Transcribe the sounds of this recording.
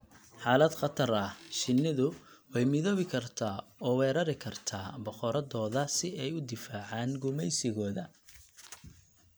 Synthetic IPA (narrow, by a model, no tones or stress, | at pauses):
ħaːlɐd̪qɑt̪ʰɐɾɐʃɪnːɪðʊwɛjmɪðɔːβɪkʰɐrt̪ʰaːɔːwɛːɾɐɾɪkʰɐrt̪ʰaːbɔqɔɾɐd̪ɔːðɐsɪɛjʊd̪ɪfaːʕaːnɡʊmɛjsɪɣɔːðɐ